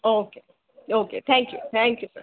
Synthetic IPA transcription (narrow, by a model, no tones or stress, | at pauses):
oʊkʰe | oʊkʰeɪθʰæ̃ŋkjṵθæ̃ŋkjusə